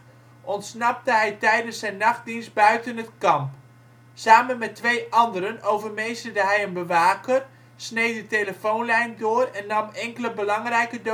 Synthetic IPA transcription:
ʔɔntsnɑp̚təɦɛjtɛjdənsɛjnːɑχt̚dinst̚bœɥtənətkɑmp | saːmənmɛtʋejʔɑndəɾənowvərmejsədəɦɛjənbəʋaːkər | snejdəteləfownlɛjndoːrɛnːɑmɛŋkələbəlɑŋrɛjkədo

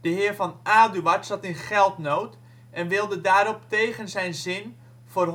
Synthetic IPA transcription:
d̥əɦɪːrvɑnaːdyatsɑtɪnχɛlˠtnowt | ɛnʋɪlˠdədaːɾɔp̚tejχənzɛjnzɪn | v̥ʊːr

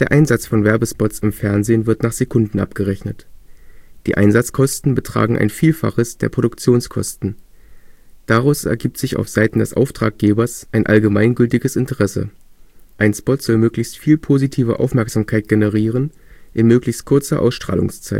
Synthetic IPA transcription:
d̥eːɐʔaɪnzat͡sfɔnvɛɐbəspɔtt͡sɪmfɛɐnzeːnvɪɐtnaːχz̥ekʰʊndn̩ʔa̰p̚ɡ̥əʁɛçnət | d̥iːʔa̰ɪnzat͡skʰɔstn̩bətʁ̥a̰ːɡŋ̩ʔa̰ɪnfiːlfa̰χəsd̥eːɐpʰʁ̥odʊkt͡sjoːnskʰɔ̰stn̩ | d̥aʁaʊsɛ̰ɐɡiːp̚tz̥ɪça̰ʊfz̥aɪtn̩dɛsʔa̰ʊftʁ̥a̰ːk̚ɡ̥eːbɐsʔaɪnʔa̰lɡəmaɪnɡʏltɪɡəsɪntəʁɛsə̰ʔaɪnspɔtz̥ɔlmøːklɪçstfiːlpʰoːzitʰiːvə̰ʔa̰ʊfmɛɐkz̥aːmkʰaɪt̚ɡ̥enəʁiːʁ̞ən | ʔɪnmøːklɪçst̚kʰʊɐt͡sɐ̰ʔa̰ʊsʃtʁ̥a̰ːlʊ̰ŋst͡sa̰ɪt

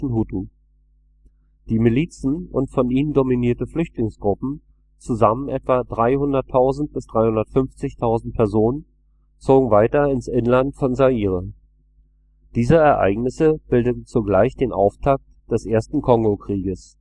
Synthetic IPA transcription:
n̩hutu | d̥iːmiliːt͡sn̩ʊ̰ntfɔnʔiːnəndominiːɐtəflʏçtlɪŋsɡ̥ʁʊpm̩ | t͡suzamənʔɛtv̥adʁaɪhʊndɐtʰaʊzn̩t̚b̥ɪsd̥ʁaɪhʊndɐtfʏmft͡sɪçtʰaʊzn̩t̚pʰɛɐzoːnən | t͡soːɡŋ̩vaɪtɐɪnsʔɪnlantfɔnzaiːʁə | d̥iːzəɛɐʔa̰ɪɡnɪsəb̥ɪldətn̩t͡suɡlaɪçd̥eːnʔa̰ʊftʰak̚td̥ɛsʔeːɐstn̩kʰɔŋɡokʁ̥iːɡəs

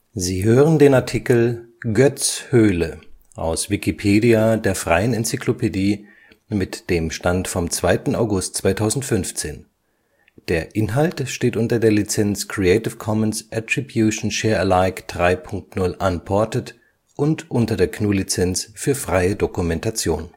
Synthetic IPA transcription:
ziːɦøːʁəndeːnaɐtʰikl̩ɡœt͡shøːlə | ʔa̰ʊsv̥ikipʰeːdiadeːɐfʁ̥aɪənɛnt͡siklopʰediː | mɪtd̥eːmʃtantfɔmt͡sv̥aɪtn̩aʊɡʊst̚t͡sv̥aɪtʰaʊzn̩tfʏnft͡seːn | d̥eːɐʔɪnɦaltʃteːtʔʊntɐdeːɐlit͡sɛnskʰʁ̥iɛɪtɪfkʰɔmənsʔɛtʁ̥ibjuʃn̩ʃɛːɐəlaɪkd̥ʁaɪpʰʊŋk̚tnʊlʔanpʰɔɐtət | ʔʊntʔʊntɐdeːɐkʰnuːlit͡sɛnt͡sfyːɐfʁ̥aɪədokumɛntat͡sjoːn

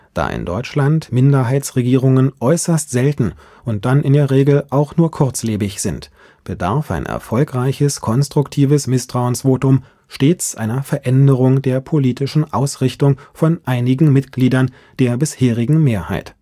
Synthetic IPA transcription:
d̥a̰ːʔɪ̰ndɔ̰ʏt͡ʃlantmɪndɐɦaɪt͡sʁeɡiːʁ̞ʊŋənʔɔʏsɐstz̥ɛltn̩ | ʊnt̚d̥anɪndeːɐʁeːɡl̩ʔaʊxnuːɐkʰʊɐt͡sleːbɪçz̥ɪnt | b̥əda̰ɐfa̰ɪnʔɛ̰ɐfɔlkʁ̥aɪçəskʰɔnstʁ̥ʊktʰiːvəsmɪstʁ̥aʊənsv̥oːtʊm | ʃteːt͡sʔa̰ɪnɐfɛɐʔɛndəʁʊŋdeːɐpʰoliːtɪʃn̩ʔaʊsʁɪçtʊŋfɔnʔaɪnɪɡŋ̩mɪtɡ̥liːdɐn | d̥eːɐbɪsheːʁɪɡŋ̩meːɐhaɪt

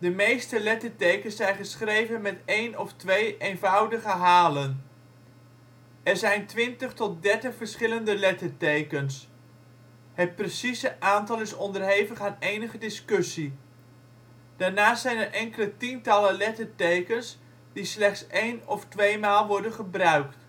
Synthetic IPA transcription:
dəmejstəlɛtəɹtejkənsɛjnχəsχrejvənmɛtejnɔftʋejʔejnvʌwdəχəɦaːlən | ɛɹzɛjntʋɪntəχtɔt̚dɛɹtəχfəɹsχɪləndəlɛtəɹtejkəns | ɦət̚prəsisəʔaːntɑlˠɪsɔndəɹɦejvəχaːnejnəχədɪskɵsi | d̥aːɹnaːstsɛjnɛɹʔɛŋkələtintɑləlɛtəɹtejkəns | d̥islɛχtsejnɔftʋejmaːlˠʋɔɹdənχəbrœɥkt

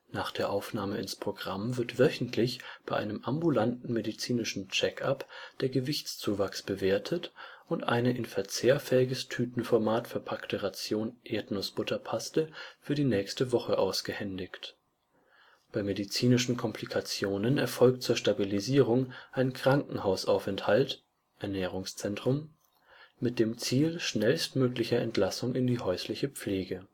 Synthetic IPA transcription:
naːχd̥eːɐʔaʊfnaːməɪnspʁ̥oɡʁamvɪɐtv̥œçn̩tʰlɪçb̥aɪʔa̰ɪnəmʔambulantn̩medit͡siːnɪʃn̩t͡ʃɛkapd̥eːɐɡəvɪçt͡st͡suːvaksb̥əveːɐtʰətʔʊntʔa̰ɪnəʔɪnfɛɐt͡seːɐfɛɪɡəstʰyːtn̩fɔɐmaːtfɛɐpʰaktəʁat͡sjoːnʔeːɐtnosb̥ʊtʰɐpʰastəfyːɐdiːnɛːçstəvɔχəʔa̰ʊsɡ̥əhɛndɪçt | b̥aɪmedit͡siːnɪʃn̩kʰɔmpʰlikʰat͡sjoːnənɛɐfɔlk̚tt͡suːɐʃtabiliziːʁ̞ʊŋʔaɪnkʁ̥aŋkŋ̩haʊsʔaʊfɛnthalt | ʔɛɐnɛːʁ̞ʊŋst͡sɛntʁ̥ʊm | mɪt̚d̥eːmt͡siːlʃnɛlstmøːklɪçɐɛntʰlasʊŋɪndiːhɔʏslɪçəp͡fleːɡə

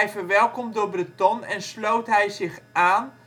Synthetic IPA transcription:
ɛjfərʋɛlˠkɔmdʊːbrətɔnɛnslowtɦɛjzɪxaːn

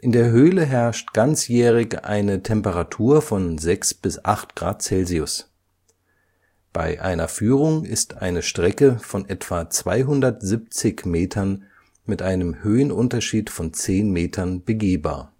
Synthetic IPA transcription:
ʔɪndeːɐɦøːləɦɛɐʃtɡ̥ant͡sjɛːʁ̞ɪçʔa̰ɪnətʰɛmpəʁatʰuːɐfɔnzɛksb̥ɪsʔaχtɡ̥ʁa̰ːt̚t͡sɛlziʊs | b̥a̰ɪʔa̰ɪnɐfyːʁ̞ʊŋɪstʔa̰ɪnəʃtʁ̥ɛkəfɔnʔɛtv̥at͡sv̥aɪɦʊndɐtz̥ip̚t͡sɪçmeːtʰɐn | mɪtʔaɪnəmhøːənʔʊntɐʃiːtfɔnt͡seːnmeːtʰɐnb̥əɡeːba̰ːɐ

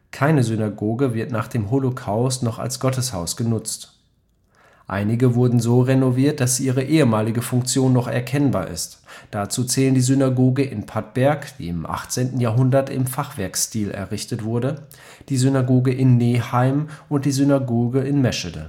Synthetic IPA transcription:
kʰaɪnəzynaɡoːɡəvɪɐtnaːχd̥eːmɦolokʰaʊstnɔχa̰lsɡ̥ɔtəshaʊsɡ̥ənʊt͡st | ʔa̰ɪnɪɡəvʊɐdn̩zoːʁenoviːɐt̚d̥asz̥iːʔiːʁ̞əʔeːəmaːlɪɡəfʊŋk̚t͡sjoːnːɔχɛ̰ɐkʰɛnba̰ːɐʔɪ̰std̥at͡suːt͡sɛːləndiːzynaɡoːɡəʔɪnpʰat̚b̥ɛɐkd̥ḭːɪmʔa̰χt͡seːntn̩jaːɐɦʊndɐtɪ̰mfaχv̥ɛɐkstiːlɛ̰ɐʁɪçtətv̥ʊɐdə | d̥iːzynaɡoːɡəʔɪnːeːhaɪmʊnt̚d̥iːzynaɡoːɡəɪnmɛʃədə̰

